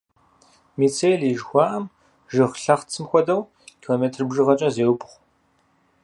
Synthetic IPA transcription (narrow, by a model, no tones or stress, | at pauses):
miːt͡sʰejliʒxʷɑːʔɐm | ʒɨʁɬɐχt͡sʰɨmxʷɔdɐw | kʲʰiloːmeːtʰrbʒɨʁɐt͡ʃʼɐzeːwpʼχʷ